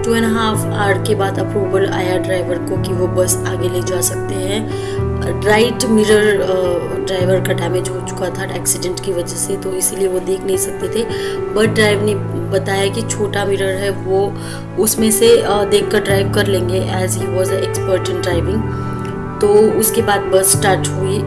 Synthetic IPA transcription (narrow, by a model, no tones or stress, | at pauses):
ʈuːɛ̃nɦaːf | aːɾɖkebaːd̪ɐpɾuːʋəbəla̰ːjaɾɖɾaːɪʋəɾkokiʋobɐsaːɡeleːd͡ʒaːsɐk̚t̪eɦɛ̃ | ɾaːɪʈmɪɾəɾ | ɖɾaːɪʋəɾkaɖɛːmed͡ʒɦot͡ʃʊ̥kat̪ʰaɛːksɪɖɛ̃ɳʈkiʋɐd͡ʒɛset̪oɪslieʋod̪eːkʰnɐɦĩsɐk̚t̪et̪ʰebɐʈ̚ɖɾaːɪʋnebɐt̪ajakit͡ʃʰoːʈamɪɾəɾɦɛʋo | ʊsmẽsed̪eːkʰːɐɾɖɾaːɪʋkɐɾlẽːŋɡeʔɛːzɦiːʋɔːzəɛkspəɾʈɪ̃nɖɾaːɪʋɪ̃ŋɡ | t̪oːʊskebaːd̪̚bɐsːʈaːɾʈɦui